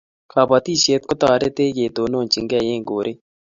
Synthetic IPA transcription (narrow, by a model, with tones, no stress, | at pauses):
kʰaː˨bɐt̪iːʃeːt̪̚kʊt̪aːɾe˦t̪eː˦jeː˨d̪oːnõː˨t͡ʃɪ˨ŋɡɛː˨jẽː˦ɡoː˨ɾeː